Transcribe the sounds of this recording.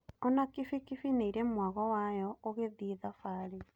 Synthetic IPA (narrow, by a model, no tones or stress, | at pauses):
ɔnakifikifineiɾɛmwaɣɔwajɔoɣeðiðafaːɾe